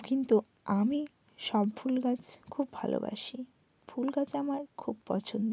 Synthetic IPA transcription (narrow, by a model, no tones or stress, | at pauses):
kint̪u | ami | ʃɔbfulɡat͡ɕkʰubʱa̰lo̰ba̰ʃi | fʰulɡat͡ɕamaɾkʰubpɔ̰t͡ɕʰond̪o